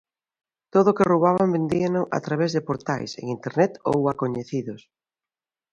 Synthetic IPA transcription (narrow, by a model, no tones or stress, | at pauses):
t̪oðʊkeroβaβambend̪ianʊʔa̰t̪ɾaβ̞ɛzðepoɾt̪ajsḛŋint̪eɾnɛt̪o̰wakoɲeθiðʊs